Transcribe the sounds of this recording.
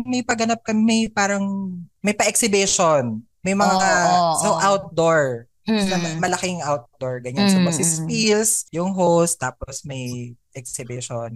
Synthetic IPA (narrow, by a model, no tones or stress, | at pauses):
mɐjpɐɡɐnap̚kɐmmɐpaːɾɐŋmɐjpɐʔɛksɪbɪʃon | mɐjmɐŋaaoʔawt̪̚d̪oɹ | nɐmɐmɐlɐkɪŋʔawt̪̚d̪oɹɡɐɲansɐmɐsɪspilsjʊŋɦowst̪ːaːposmɐjʔɛksɪbɪʃon